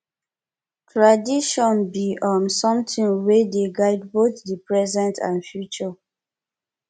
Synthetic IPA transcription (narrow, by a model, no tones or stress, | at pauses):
tʰɹadiʃɔ̃nbiʔɔ̃nsɔ̃mtĩŋwedeɡaɪd̚boθdipɹɛzɛ̃ntã̰nfjut͡ʃɔ